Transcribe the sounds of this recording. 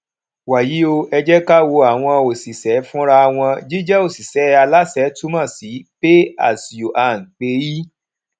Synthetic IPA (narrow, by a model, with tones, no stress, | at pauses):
wa˨ji˨˦o˧ɛ˧d͡ʒɛ˦ka˦wo˧a˨w̃ɔ̃˧o˨si˨sɛ˨˦fũ˦ɾa˧w̃ɔ̃˧d͡ʒi˦d͡ʒɛ˦o˦˨si˨sɛ˨˦a˧la˦sɛ˨˦tu˦mã˦˨si˨˦b̥e˦a̰˦˨si˨o˨ʔa˨ŋ̩˨k͡pe˧˦ji˦